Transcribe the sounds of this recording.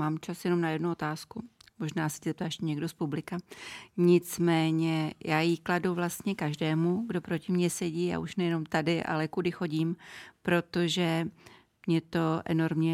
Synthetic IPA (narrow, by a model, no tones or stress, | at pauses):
maːmt͡ʃasjɛnomnajɛdnuo̞t̪aːskumo̞ʒnaːsɛ̥cɛzɛp̚t̪aːɛʃcɛɲɛɡdo̞spublɪkaɲɪt͡smɛːɲɛjaːjikladuvlast̪ɲɛkaʒdɛːmuɡdo̞pɾo̞cɪmɲɛsɛɟiːa̰ʔuʃnɛjɛno̞mt̪adɪʔa̰lɛkudɪxo̞ɟiːmpɾo̞t̪o̞ʒɛ | mɲɛt̪o̞ʔɛ̰no̞ɾmɲɛ